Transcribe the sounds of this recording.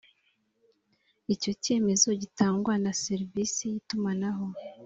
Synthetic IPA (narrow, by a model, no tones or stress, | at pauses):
ico̞ce̞ːme̞zo̞ɟitaːŋɡwanase̞ɾvisijitumanaɦo̞